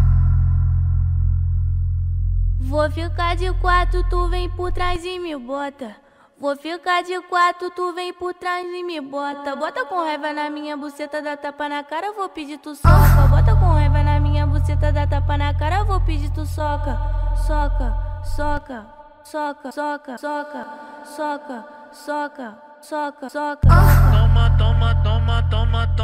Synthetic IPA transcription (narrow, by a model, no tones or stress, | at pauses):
vofikaɾd͡ʒɪkwaɾt̪ɾʊt̪uvẽj̃poɾt̪ɾajzɪmɪbɔt̪ɐ | vofikad͡ʒɪkwaɾt̪ɾʊt̪uvẽj̃poɾt̪ɾajzɪmɪbɔt̪ɐbɔt̪ɐkõhɛvɐnɐmĩɲɐbuset̪ɐd̪at̪apɐnɐkaɾɐvowpid͡ʒit̪usɔkɐbɔt̪ɐkõhɛvɐnɐmĩɲɐbuset̪ɐd̪at̪apɐnɐkaɾɐvowpid͡ʒit̪usɔkɐsɔkɐsɔkɐ | sɔkɐsɔkɐsɔkɐsɔkɐ | sɔkɐ | sɔkɐsɔkɐat̪õmɐt̪õmɐt̪õmɐt̪õmɐt̪